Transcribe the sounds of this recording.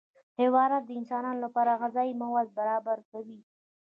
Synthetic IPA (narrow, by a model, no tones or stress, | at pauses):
hɪwɑɾat̪̚d̪əɪnsɑnɑnolapɑɾaɣazɑimawazbaɾɑbaɾkawi